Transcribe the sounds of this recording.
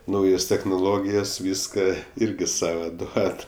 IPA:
ˈnɐʊjoːs tʲɛxnoːˈlˠoːɡʲɪjɛs ˈʋʲiːskɐ ˈɪrʲɡʲɪ ˈsɑːʋɐ ˈduɔt

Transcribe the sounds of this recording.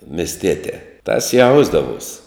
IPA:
mʲɪsʲˈtʲiɛtʲɛː tɐs ˈjɛʊzdɐʋuɔsʲ

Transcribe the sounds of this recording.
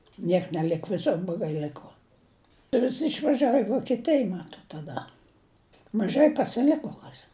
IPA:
ˈnʲiɛk nʲɛˈlʲɪk ʋʲɪˈsʊr blˠoːˈɡɐɪ ˈlʲɪkoː ʋʲɪsʲɪ ɪʃʋɐˈʒʲæːʋoː ɪ ʋoːkʲiɛˈtʲɪj ˈmɑːtoːt tɐˈdɐ mɐˈʒɐɪ pɐsʲɪˈlʲɪkoː ˈkɐs

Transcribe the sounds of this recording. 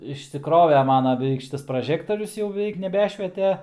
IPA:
ɪʃʲsʲɪˈkroːʋʲɛ ˈmɑːnɐ bʲɛˈʋʲɛɪk ˈʃʲɪtɐs prɐˈʒʲæːktoːrʲʊs jɛʊ bʲɛˈʋʲɛɪk nʲɛˈbʲæːʃʲʋʲiɛtʲɛ

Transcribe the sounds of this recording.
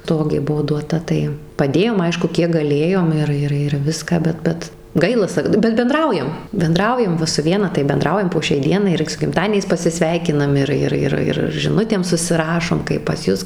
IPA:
ˈtoːɡʲeː ˈbʊʋoː duɔˈtɐ tɐɪ pɐˈdʲeːjoːm ˈɐɪʃkʊ ˈkʲiɛk ɡɐˈlʲeːjoːm ˈɪr ˈɪr ɪr ˈʋʲɪskɑː ˈbʲɛt ˈbʲɛt ˈɡɐɪlˠɐ ˈsɐk bʲɛt bʲɛnˈdrɐʊjɛm bʲɛnˈdrɐʊjɛm ˈʋɐ sʊ ˈʋʲiɛnɐ tɐɪ bʲɛnˈdrɐʊjɛm poː ʃʲɛɪ ˈdʲiɛnɐɪ ɪr sʊ ɡʲɪmˈtɑːdʲiɛnʲɛɪs pɐsʲɪˈsʲʋʲɛɪkʲɪnɐm ɪr ˈɪr ˈɪr ˈɪr ɪr ʒʲɪˈnʊtʲeːm sʊsʲɪˈrɑːʃoːm kɐɪp pɐs ˈjʊs

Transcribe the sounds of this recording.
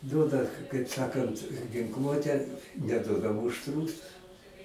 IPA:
ˈduɔdɐ kɐɪp ˈsɑːkɐnt ɡʲɪŋˈklˠuɔtʲæː nʲɛˈduɔdɐ ˈmuːʃt ˈruːsʊs

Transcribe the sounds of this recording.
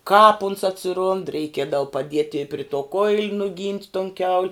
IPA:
kɑːp ʊns ɐtʲsʲɪˈrʊnt rʲɛɪˈkʲiɛdɐʋʊ pɐˈdʲiɛtʲɪ ɪ pʲrʲɪ toː koːɪlʲ nʊˈɡʲiːnʲtʲ toːn kʲɛʊlʲ

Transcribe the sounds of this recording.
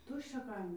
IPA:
ˈtʊʃʲt͡ʃʲɛ ˈkɐɪmʲɪ

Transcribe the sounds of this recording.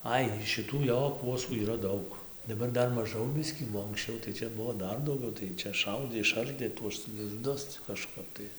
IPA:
ˈɐɪ ʃʲɪˈtuː ˈjoː ˈkuɔsuː iːˈrɐ ˈdɐʊk dɐˈbɐr ˈdɐr mɐˈʒɐʊ ˈbʲɪsʲkʲiː oː ɐŋksʲˈt͡ʃʲɛʊ tɐɪ ˈt͡ʃʲɛ ˈbʊʋoː ˈdɐr dɐʊˈɡʲɛʊ tɐɪ ˈt͡ʃʲɛ ˈʃɐʊdʲeː ɪʃˈɐrʲdʲeː tuɔs lʲɪzˈdʊs ˈt͡sʲɛ kɐʃˈkɐp tɐɪ

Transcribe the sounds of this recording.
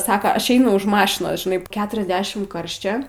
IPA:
ˈsɑːkɐ ˈɐʃ ˈɛɪnʊ ʊʃ ˈmɑːʃʲɪnoːs ʒʲɪˈnɐɪ ˈkʲæːtʲrʲɛzʲdʲɛʃʲɪm ˈkɐrʲʃʲt͡ʃʲɛ

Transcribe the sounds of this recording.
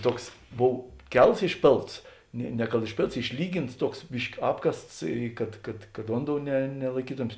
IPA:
ˈtuɔks ˈboːw ˈkʲɛlˠs ɪʃʲˈpʲeːlˠts ˈnʲeː nʲɛ kɐt ɪʃʲˈpʲeːlˠts ɪʃʲˈlʲiːɡʲɪns ˈtuɔks ˈbʲɪʃʲkʲɪ ˈɑːpkɐsts ˈkɐt kɐt kɐt ˈʋoːnˌdoːʊ nʲɛ nʲɛlˠɐɪˈkʲiːtoːmʲeːs

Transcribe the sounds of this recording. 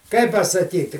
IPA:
ˈkɐɪp pɐsɐˈkʲiːtʲɪ

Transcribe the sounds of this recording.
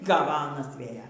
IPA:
ˈɡɑːʋɐ ˈɑːnɐs ˈʋʲeːjɛ

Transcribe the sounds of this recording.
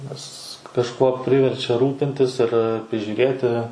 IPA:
nʲɛs kɐʃˈkuɔ ˈpʲrʲɪʋʲɛrʲt͡ʃʲɛ ˈruːpʲɪnʲtʲɪs ɪr pʲrʲɪʒʲuːˈrʲeːtʲɪ

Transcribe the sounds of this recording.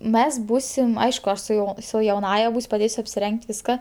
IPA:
ˈmʲɛs ˈbuːsʲɪm ˈɐɪʃkʊ ˈɐʃ sʊ ˈjɛʊ sʊ jɛʊˈnɑːjɛ ˈbuːsʲ pɐˈdʲeːsʲʊ ɐpʲsʲɪˈrʲɛŋʲkʲtʲ ˈʋʲɪskɐ

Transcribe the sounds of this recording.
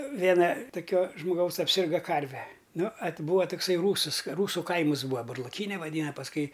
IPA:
ˈʋʲeːnɐ toːˈkʲoː ʒmoːˈɡɐʊs ɐpʲˈsʲɪrɡɐ ˈkɐrʲʋʲɛ ˈnʊ ɐt ˈbuːɐ toːkˈsɐɪ ˈruːsɨs ˈruːsʊ ˈkɐɪmɨs ˈbuːɐ bʊrlˠɐˈkʲiːnʲɛ ʋɐˈdʲiːnɐ pɐsˈkʊɪ

